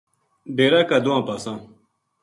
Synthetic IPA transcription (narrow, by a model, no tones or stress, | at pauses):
ɖeːɾaːkad̪uãːpasãː